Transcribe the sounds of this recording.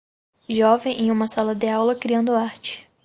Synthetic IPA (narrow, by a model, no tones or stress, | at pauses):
ʒɔvẽj̃ʔẽj̃ũmɐsalɐd̪ɪawlɐkɾiɐ̃nd̪ʊaɾt͡ʃɪ̥